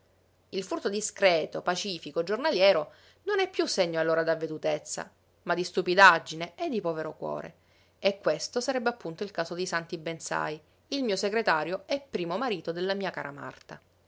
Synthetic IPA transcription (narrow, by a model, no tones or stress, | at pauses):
ilfurt̪od̪iskɾeːt̪opat͡ʃiːfikoed͡ʒornaljɛːɾo | nonɛpːjusːeɲːoalːoːɾad̪avːed̪ut̪et̪sːa̰ | mad̪ːist̪upid̪ad͡ʒːineed̪ːipɔːveɾokwɔ̰ːɾḛ | ekːwest̪osaɾɛbːeapːunt̪oilkaːsod̪isant̪ibensa̰j | ilmiːoseɡɾet̪aːɾjoɛpːɾiːmomaɾiːt̪od̪elːamiːaka̰ːɾa̰ma̰rt̪a